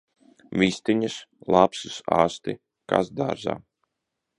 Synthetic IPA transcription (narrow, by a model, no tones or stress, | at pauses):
vʲist̪iɲuslˠapsusaːst̪ḭ | ka̰sd̪aːɾza̰ː